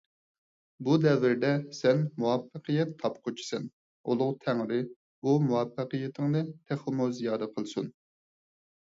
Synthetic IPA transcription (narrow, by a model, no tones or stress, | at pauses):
bud̪ɛvɪɾd̪ɛsɛnmuwɑpːəqʰɨjɛt̪ʰːɑpqʰot͡ʃʰi̥sɛn | o̰lˠʊʁt̪ʰæŋɾɪ | umuwɑpːəqɨjɛt̪ʰɪŋnɨt̪ʰæχɨmuzijɑːd̪ɛqʰəlˠsṵn